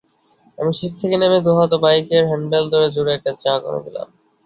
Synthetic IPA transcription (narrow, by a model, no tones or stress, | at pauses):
a̰miʃiʃt̪ʰekenemed̪uɦɔt̪obajkeɾɦɛɳɖeld̪ʱoɾed͡ʑuɾeɛk̚ʈat͡ɕako̰no̰d̪ila̰m